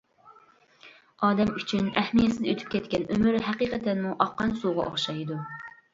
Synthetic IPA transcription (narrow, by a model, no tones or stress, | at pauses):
ɑːd̪ɛmyt͡ʃʰynɛhmijɛsɪd̪øt̪ʰy̥p̚kʲʰɛt̪kʲɛnømyɾɦæqiːqʰɛt̪ʰɛnmuʔɑqːɑnsuʁɑ̰ʔo̰χʃɑjd̪u